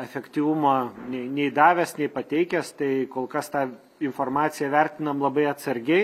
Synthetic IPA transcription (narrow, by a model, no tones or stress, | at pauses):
ɛfʲɛkʲt̪ʲiːʋʊmoːnʲɛɪnʲɛɪd̪ɑːʋʲɛsnʲɛɪpɐt̪ʲɛɪkʲɛst̪ɐɪkoːlˠkɐst̪ɑː | ɪnfoːrmɑːt̪sʲɪjɛʋʲɛrʲt̪ʲɪnɐmlˠɐbɐɪɐt̪sɐɾʲɡʲɛɪ